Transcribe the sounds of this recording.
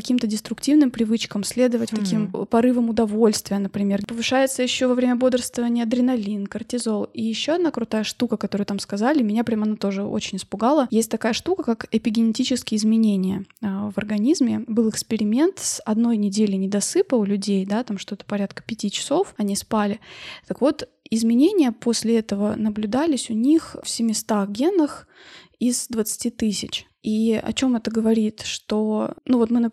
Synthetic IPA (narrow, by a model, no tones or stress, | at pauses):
ɐkʲimt̪ədʲɪst̪ɾʊktʲivnɨmpɾʲɪvɨt͡ɕkəmsʲlʲed̪əvətʲfk̪ɐkʲimpɐɾɨvəmʊd̪ɐvo̞lʲst̪vʲɪjənəpɾʲɪmʲe̞rpəvɨʂajɪt̪səjɪɕːovɐvɾʲemʲəbo̞d̪ərst̪vəvənʲɪjəɐd̪ɾʲɪnɐlʲinkərtʲɪzo̞lˠijɪɕːoɐd̪nakɾʊt̪ajəʂt̪ukəkɐt̪o̞ɾɨjɨt̪amskɐzalʲɪmʲɪnʲapɾʲamɐnat̪o̞ʐɨo̰t͡ɕɪnʲɪspʊɡalˠəjesʲtʲt̪ɐkajəʂt̪ukəkakɪpʲɪɡʲɪnʲɪtʲit͡ɕɪskʲɪjɪzmʲɪnʲenʲɪjəvɐrɡɐnʲizmʲɪbɨlˠɨkspʲɪɾʲɪmʲent̪sɐd̪no̞jnʲɪdʲelʲɪnʲɪd̪ɐsɨpəʊlʲʉdʲejd̪at̪amʂt̪oɛt̪ə̥pɐɾʲat̪kə̥pʲɪtʲit͡ɕɪ̥so̞fɐnʲispalʲɪt̪əkvo̞t̪ | ɪzmʲɪnʲenʲɪjəpo̞sʲlʲɪɛt̪əvənəblʲʉd̪alʲɪsʲʊnʲixfsʲɪmʲɪst̪axɡʲe̞nːəx | izd̪vət̪sɨ̥tʲit̪ɨsʲɪt͡ɕ | iɐ̰t͡ɕo̞mɛt̪əɡəvɐɾʲit̪ʂt̪onuvo̞t̪mɨnə